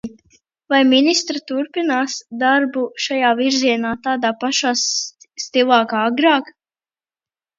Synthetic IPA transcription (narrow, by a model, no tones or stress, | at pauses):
vajminist̪ɾat̪uɾpinaːsd̪aɾbuʃajaːviɾziɛnaːt̪aːd̪aːpaʃaːsst̪ilˠaːkaːaɡɾaːk